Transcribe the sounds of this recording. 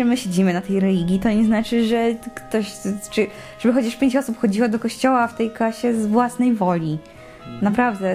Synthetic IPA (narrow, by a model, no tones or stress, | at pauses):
ɛmɘɕed͡ʑimɘnat̪ɛjɾɛlʲiɡʲit̪ɔɲɛznat͡ʂɘʐɛkt̪ɔɕt͡ʂɨ | ʐ̥ɛbɘxɔt͡ɕaʂpʲjeɲt͡ɕɔsupxɔd͡ʑiwɔd̪ɔkɔɕt͡ɕɔwaft̪ɛjkaɕɛzvwasnɛjvɔlʲi | napɾavd̪ɛ